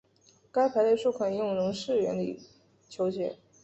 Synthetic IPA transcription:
ka˥ɪpʰa˧˥ɪle˥˧˩ʂu˥˩kʰwa˨˩ni˧˥jʊ˥˩ŋɻʊ˧˥ŋʂɻ̩˥˩ɥɛ˧˥nlḭ˨˧˩ | t͡ɕʰjo˧˥ʊt͡ɕjɛ̰˧˥˦

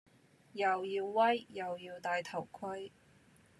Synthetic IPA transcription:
jɐ˨˩wjiː˧wːɐ˥jːɐ˨˩wjiː˧wt̪aː˨jt̪ʰɐ˨˩wkʰɵ˥j

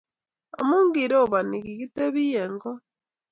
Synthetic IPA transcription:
a̰˨mu˦ŋɡi˨ɾo˦˨βa˨ni˨ɣi˨ɣi˦te˦βi˦je˨ŋɡɔ˦

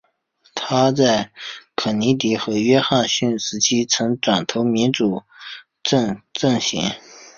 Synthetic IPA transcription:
t̪ʰa˥t͡sa˥˩ɪkʰɤ˨˩ni˧˥t̪i˧˥xɤ˧˥ɥɛ˥xa˥˧nɕy˥˩nʂɻ̩˧˥t͡ɕʰi˥t͡sʰɤ˧˥ŋʈ͡ʂwa˨˩nt̪ʰo˧˥ʊmi˧˥nʈ͡ʂu˨˩ | ʈ͡ʂɤ˥˧ŋʈ͡ʂɤ˥˩ŋɕɛ̰˧˥n

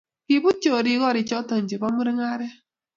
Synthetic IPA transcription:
ki˨bu˦t͡ʃo˨ɾi˨˦ɣɔ˦ɾɪ˨t͡ʃɔ˦tɔ˨ɲ˨d͡ʒe˨bɔ˦mu˦ɾɪ˦ŋa˦ɾɛ˦

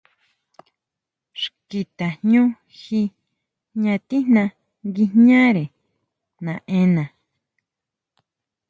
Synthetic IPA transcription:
ʂki˧t̪a˨hɲũ˦ | xi˧ | ɲã˧t̪i˦nã˧ | ŋɡi˧ɲã˦ɾe˨ | nã˨ẽ˧nã˨

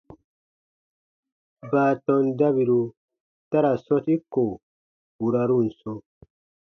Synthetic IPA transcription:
baː˨tɔ˨nda˦βi˨ɾu˨ | ta˦ɾa˨so˦ti˦kːo˨ | u˨ɾa˨ɾu˦n̩˨so˦

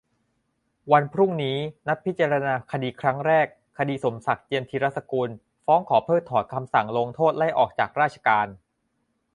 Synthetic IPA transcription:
wa˧npʰɾu˥˩ŋniː˦˥na˦˥p̚pʰːi˦˥t͡ɕa˧ɾa˧naː˧kʰa˧diː˧kʰɾa˦˥ŋɾɛː˥˩kʰːa˧diː˧so˩˦msa˨˩k̚t͡ɕi˧əmt̪ʰi˧ɾa˦˥t̪̚sa˧kuː˧n | fɔː˦˥ŋkʰɔː˩˦pʰɤː˥˩t̪ʰɔː˨˩t̪̚kʰa˧msa˨˩ŋlo˧ŋt̪ʰoː˥˩t̪̚la˥˩jʔɔː˨˩k̚t͡ɕa̰ː˨˩k̚ɾaː˥˩t͡ɕʰḁ˧kaː˧n

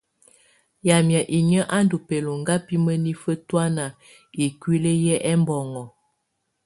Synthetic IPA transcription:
ja˨mja˨ʔi˨ɲə˦ʔa˦ndu˨pe˨lo˨ŋɡa˦pi˦mə˦ni˦fə˦twa˦na˨ | i˨kwi˦le˦jɛ˦ʔɛ˦mbɔ˨ŋɔ˨

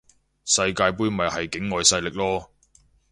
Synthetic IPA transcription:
sɐ˧jkaː˧jp̬uː˥jmɐ˨jhɐ˨jkɪ˨˥ŋːɔː˨jsɐ˧jlɪ˨k̚lɔː˥

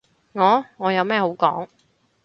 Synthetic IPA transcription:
ŋɔː˨˧ŋɔː˨˧jɐ˨˧wmɛː˥ho˨˥wkɔː˨˥ŋ

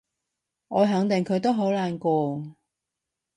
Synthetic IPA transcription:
ʔɔː˨˧ɦɐ˨˧˥ŋt̪ɪ˨ŋkʰɵ˨˧ɥt̪̬o˥wɦo˨˥wlaː˨˧nkɔː˧

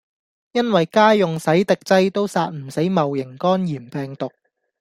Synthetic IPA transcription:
jɐ˥nwɐ˨jkaː˥jʊ˨ŋsɐ˨˥jt̪ɪ˨k̚t͡sɐ˥jt̪o˥wsaː˧t̚m̩˨˩se˨˥jmɐ˨wjɪ˨˩ŋkɔː˥njiː˨˩mpɛː˨˩ŋt̪ʊ˨k̚

